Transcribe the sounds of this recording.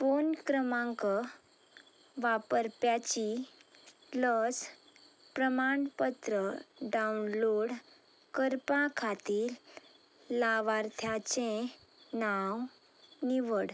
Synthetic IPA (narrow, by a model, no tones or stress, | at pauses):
fonkɾəmãŋkə | ʋapəɾpjat͡ɕi | ləs | pɾəmaɳpət̪ɾəɖaunloɽ | kəɾpãkʰat̪iːlː | aʋaɾt̪ʰjat͡ɕẽ | naw | niʋəɽ